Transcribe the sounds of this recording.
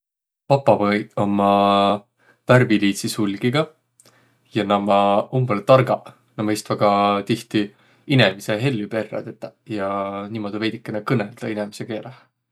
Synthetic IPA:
pɑpːˑɑvojomːɑ | tærbiliːt̪sisulɡ̥iɡ̥ɑ | jɑnɑmːɑumbelt̪ɑrɡ̥ɑ | nɑmejst̪væɡ̥ɑt̪iht̪i | inemiseɦe̞lʲːype̞rːɑ̰d̪et̪ːˑɑjɑniːmo̞d̪̥uvejd̪ikːˑenekɤneld̪̥ɑinemi̥sekeːɾɑh

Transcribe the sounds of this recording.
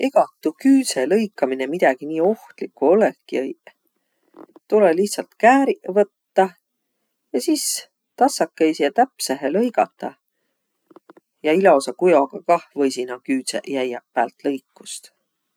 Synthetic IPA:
e̞ɡ̥ɑt̪ːˑukyːt̪se̞lɤjkːˑɑmine̞mid̪̥ɑɡ̥iniːo̞ht̪likːˑuolekːiej | t̪uleliht̪sɑlt̪kæːɾivɤt̪ːɑ | jɑsiːs | t̪ɑsːɑkːejsiɑt̪æpseɦelɤjɡ̥ɑ̰t̪ːˑɑ | jɑilsɑkujoɡ̥ɑkɑhvɤjsinɑkyːt̪sḛjæjːɑæːlt̪ˑlɤjkˑːust̪

